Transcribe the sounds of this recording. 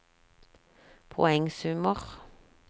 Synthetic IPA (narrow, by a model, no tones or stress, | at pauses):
pʰɔ̰ɛŋsʉməʁ